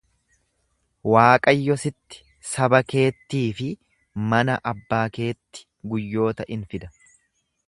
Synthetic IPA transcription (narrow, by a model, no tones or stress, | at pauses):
waːkʼɐjːɔsɪt̪ːɪ̥ | sɐbɐke̞ːt̪ːiːfɪ | mɐnɐʔɐbːaːke̞ːt̪ːɪ̥ | ɡʊjːo̞ːt̪ɐʔɪnfɪd̪ɐ̥